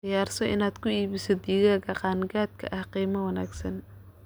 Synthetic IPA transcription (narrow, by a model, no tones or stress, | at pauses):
ɪjaːrsɔʔɪnaːd̪kʰʊiːβɪsɪd̪ɪɣaːɣɐqɑːnɡaːd̪̚kʰɐ̰ʔɐhqiːmɐwɐnaːɡsɐn